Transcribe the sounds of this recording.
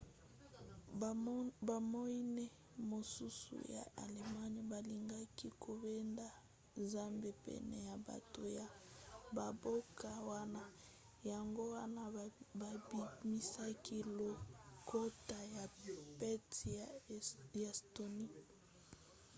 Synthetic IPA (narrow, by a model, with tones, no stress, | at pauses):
ba˨mo˦i˦nɛ˦ | mo˨su˦sṵ˨ja̰˨ʔa̰˨le˨ma˦ɲ˨ba˨li˨ŋɡa˦ki˦kʰo˨be˦nda˨ | nza˦mbe˦pɛ̰˨nɛ̰˨ja˨ba̰˨to˨ja˨ba˨bo˦ka˨wa˦na˦ | ja˨ŋɡo˦wa˦na˦ba˨bi˨mi˦sa˦ki˦lo˨ko˦ta˨ja˨pɛ˦ti˨ | a˨sto˨ni˦